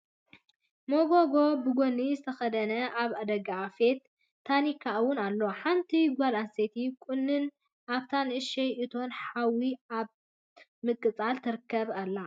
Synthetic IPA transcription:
moɡoɡo̞bɨɡonizɨt̪ʰɐxɐd̪ɐnɐʔaβad̪ɐɡaːfet̪ʰː | anikʰawʊnalːo̞ħant̪ʰiɡʷalanset̪ʰikʼunːɨn | ʔaβt̪ʰanʔɨʃejʔɨt̪ʰo̞nħawiaβ | mɨkʼːɨt͡sʼalt̪ʰɨɾɨkʰːɐβalːa

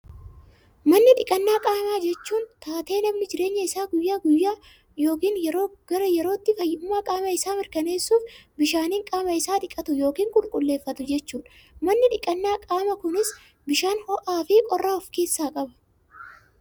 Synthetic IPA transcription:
mɐnːɪᶑɪkʼɐnːaːkʼaːmaːd͡ʒɛt͡ʃːuːnt̪aːt̪e̞ːnɐmnɪd͡ʒɪɾe̞ːɲːɐɪsaːɡʊjːaːɡʊjːaː | joːkiːnjɛɾoːɡ̥ɐɾɐjɛɾo̞ːt̪ːɪfɐjːɪʊmːaːkʼaːmɐɪsaːmɪɾkɐne̞ːsːuːfbɪʃaːniːŋkʼaːmɐɪsaːᶑɪkʼɐt̪ʊjo̞ːkiːŋkʼʊlkʼʊlːe̞ːfːɐt̪ʊd͡ʒɛt͡ʃːuːn | mɐnːɪᶑɪkʼɐnːaːkʼaːmɐkʊnɪs | bɪʃaːnhɔʔaːfɪkʼɔrːaːɔfke̞ːsːaːkʼɐbɐ̥

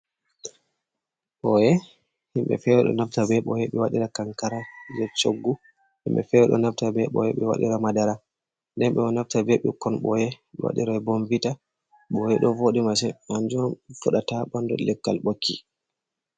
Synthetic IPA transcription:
ɓɔjɛ | himɓɛ̰fɛwɛɗɔ̰naftabɛɓɔjɛɓɛwaɗiɾakaŋkaɾad͡ʒɛt͡ʃoɡːu | himɓɛ̰fɛwɛɗɔ̰naftabɛɓɔ̰jɛɓɛwa̰ɗḭɾamadaɾa | ndɛnɓɛɔnaftabɛɓɛ̰kɔnɓɔjɛ | ɓɛ̰wa̰ɗḭɾabonvita | ɓɔjɛɗɔvoɗimasɛand͡ʒɔnfuɗataɓandɔ̰lɛkːalɓokʰːi

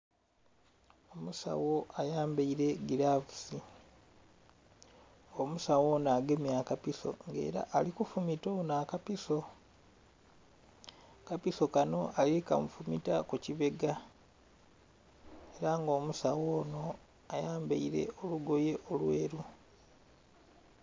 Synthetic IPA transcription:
omusa̰wo̞ajaːmbeiɾe̞ɡilavusi | omusawo̞ːnaːɡemjakapiso̞̰ŋɡe̞̰ːɾa̰ʔːlikufumitonakapiso̞ | kapiso̞kano̞alikamufumitakuciβe̞ɡa | e̞ɾaŋɡo̞ːmusawoːno̞ | ajaːmbḛiɾe̞̰o̞luɡo̞je̞ʔo̞lwe̞ːɾu

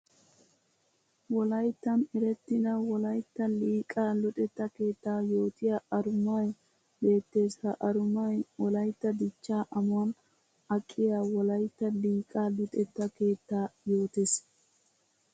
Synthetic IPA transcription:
wɔlɐjt̪ːɐnɛɾɛt̪ːɪnɐwɔlɐjt̪ːɐliːkʼaːlʊt̪ʼɛt̪ːɐke̞ːt̪ːaːjo̞ːt̪ɪjaɐɾʊmaj | be̞ːt̪ːe̞ːsɐʔɐɾʊmɐjwɔlɐjt̪ːɐd̪ɪt͡ʃːaːʔɐmʊwɐn | ɐkʼːɪjaːwɔlɐjt̪ːɐliːkʼaːlʊt̪ʼɛt̪ːɐke̞ːt̪ːaːjo̞ːt̪es

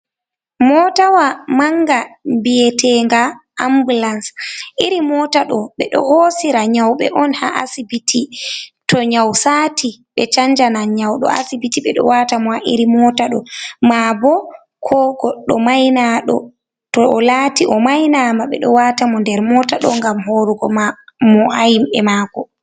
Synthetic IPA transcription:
mɔtawamaŋɡambiɛtʰɛŋɡaʔambulansʔiɾimɔtaɗɔɓɛɗɔ̰hosiɾaɲawɓɛ̰ʔɔnha̰ʔa̰sibitʰitɔɲawsaːtiɓɛt͡ʃaɲd͡ʒanaɲawɗɔ̰a̰sibitiɓɛɗɔ̰watamɔhaʔiɾimɔtaɗɔmabɔ | kʰɔɡɔɗːɔmajnaɗɔ̰ | tɔɔlaːtiʔɔmajnamaɓɛ̰ɗɔwatamɔndɛɾmɔtaɗɔ̰ŋɡamɦoːɾuɡɔmamɔajimɛmaːkɔ

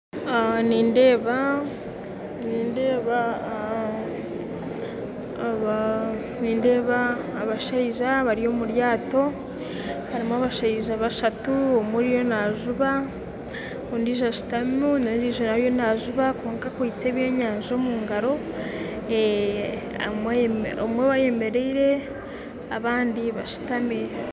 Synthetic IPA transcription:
aniːnde̞ːβa | niːnde̞ːβa | βa | niːnde̞ːβaː | βaʃaiʒaβaɾio̞muɾjaːto̞ | haɾimoaβaʃaiʒaβaʃatuomuɾijo̞naʒuβa | ondiːʒaʃu̥tamunaɾiʒonajo̞naʒuβakoːŋkakwiit͡se̞ːβjo̞ɲaːɲʒo̞muːŋɡaɾo̞ | e | a̰ | omwe̞βaje̞me̞ɾeiɾe̞ | aβaːndiβaʃu̥tame

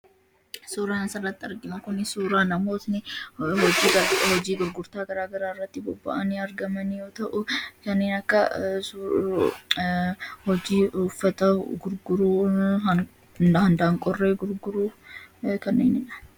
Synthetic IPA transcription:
suːɾaːnɐsɐrːɐt̪ːɪɐɾɡɪmɐkʊnɪsuːɾaːnɐmo̞ːsnɪhɔd͡ʒiːhɔd͡ʒiːɡʊɾɡʊɾt̪aːɡɐɾaːɡɐɾaːɪrːɐt̪ːɪbɔbːɐ̰ʔɐniɐɾɡɐmɐnɪjoːt̪ɐʔʊkɐnːeːnɐkːɐs | hɔd͡ʒiːʊfːɐt̪ɐɡʊɾɡʊɾuːɐ | hɐnd̪aːŋkʼɔrːeːɡʊɾɡʊɾuːkɐnːeːnɪnɐ̥

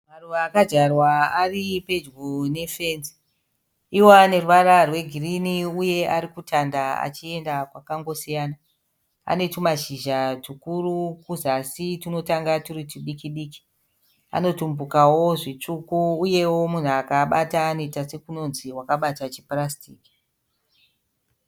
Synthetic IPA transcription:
maruʋaːkad͡ʒarwaaripe̞d͡ʒɡone̞fe̞nzi̥ | iwoane̞ruʋararwe̞ɡʱiriniuje̞ʔaɾikutandaa̰t͡ʃie̞ndakwakaŋɡo̞sijaːna | a̰ne̞tumaʒiʒaʐikurukuzasitino̞taŋɡaturitiɗikiɗiːki̥ | a̰no̞tumbukawo̞ʐit͡ʂukuːje̞wo̞mun̤uakaɓataːnoitase̞kuno̞nziwakaɓatat͡ʃiprastiːki̥

